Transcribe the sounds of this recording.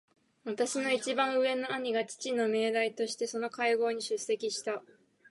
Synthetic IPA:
βat̪aɕino̞it͡ɕibãɰ̃ɯ̟e̞no̞aɲ̟iɡat͡ɕi̥t͡ɕino̞me̞ːd̪ait̪o̞ɕi̥t̪e̞so̞no̞kaiɡo̞ːɲ̟iɕɨse̞kʲiɕi̥t̪a

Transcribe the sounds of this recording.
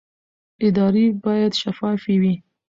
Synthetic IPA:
ɪd̪ɑɾibɑjad̪ʃafɑfiwi

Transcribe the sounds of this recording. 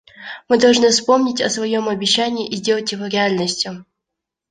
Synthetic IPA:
mɨd̪ɐlˠʐnɨfspo̞mnʲɪtʲɐsvɐjo̞mɐbʲɪɕːænʲɪːʔizʲdʲe̞lˠətʲjɪvo̞ɾʲɪalʲnəsʲtʲjʊ

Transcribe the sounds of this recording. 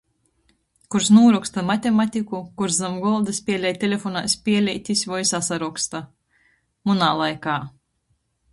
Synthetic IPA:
kuɾsnuːɾɔkst̪amat̪ʲemat̪ʲikukuɾzzamɡɔlˠd̪ɨspʲiɛlʲɛjt̪ʲelʲefɔnaːjsʲpʲiɛlʲɛjt̪ʲisʲvɔjsasaɾɔkst̪a | munaːlˠajkaː

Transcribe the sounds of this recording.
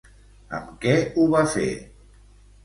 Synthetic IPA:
ə̰mkɛuβafḛ

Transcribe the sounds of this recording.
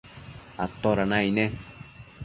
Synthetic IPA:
at̪oɾanãinẽ

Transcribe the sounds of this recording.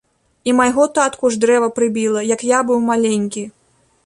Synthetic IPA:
imajɣɔt̪at̪kuʐd̪ɾɛvɐpɾɨbʲilˠɐjɐkjabɨwmalʲenʲkʲi

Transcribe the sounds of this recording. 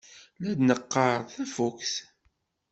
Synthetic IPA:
læd̪nəqːɑɾˤθæfukθ

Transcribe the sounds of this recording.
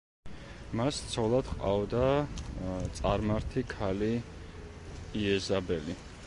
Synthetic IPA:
mast̪sʰɔlˠad̪̥qʼa̰vd̪a | t̪sʼaɾmaɾt̪ʰikʰali | iɛzabɛli

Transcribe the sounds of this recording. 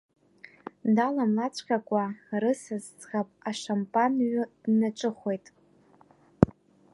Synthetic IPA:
dalamlat͡sʷʰqʲʼakʷʼarɨsazt͡sʼχapʼaʂampʼanɥʊdnaʈ͡ʂʷʼɨχʷe̞jtʼ

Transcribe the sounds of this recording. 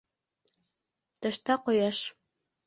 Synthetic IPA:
t̪ə̆ʃt̪ɑqojɑʃ

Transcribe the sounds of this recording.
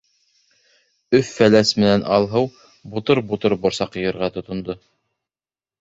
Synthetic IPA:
ɵfːælæsmɘ̆nænʔɑlˠɦɤw | but̪oɾbut̪oɾbŏɾsɑqjɤ̆jɤ̆ɾʁɑt̪ŏt̪ŏnd̪o

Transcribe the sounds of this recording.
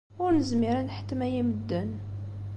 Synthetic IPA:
ʊɾnəzmiɾənħə̥t̪ːmæjiməd̪ːən

